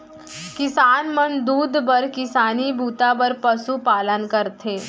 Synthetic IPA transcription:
kɪsaːnmənd̪uːd̪bəɾkɪsaːnibʱuːt̪abəɾpɐsupaːlənkəɾt̪ʰeː

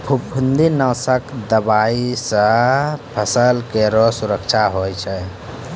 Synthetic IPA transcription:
pʰubpʰund̪inəsəkd̪əbaisə̃pʰəsəlkeɾɔsuɾəkt͡ʃʰaɦojt͡ʃʰɛ

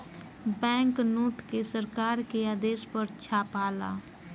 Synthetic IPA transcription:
bɛ̃ːŋknoːʈkesəɾkaːɾkeaːd̪eːspəɾt͡ʃʰaːpaːla̰ː

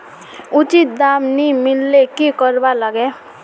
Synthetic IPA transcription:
ʊt͡ʃit̪̚d̪aːmnimɪlːekikəɾbaləɡe

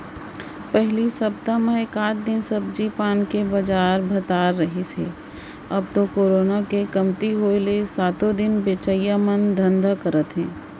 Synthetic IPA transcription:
pɛɦlisɐb̚t̪amẽkaːt͡ʃd̪ɪnsəbd͡ʒiːpaːnkebɐd͡ʒaːɾbʱət̪aːɾːəɦisḛː | ɐb̚t̪okoːɾoːnakekɐmt̪iɦoːelesaːt̪õd̪ɪnbeːt͡ʃəijamənd̪ʱə̃nd̪akəɾət̪ɦɛ̃ː

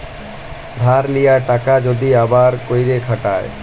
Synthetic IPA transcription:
d̪ʱaɾlijaʈakad͡ʑod̪iabaɾkojɾekʰaʈae

